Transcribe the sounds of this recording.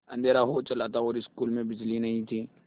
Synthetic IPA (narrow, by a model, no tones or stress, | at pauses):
ɐ̰̃nd̪ʱeːɾaɦot͡ʃɐlaːt̪aɔːɾɪskuːlmẽbɪd͡ʒlinɐɦĩt̪ʰiː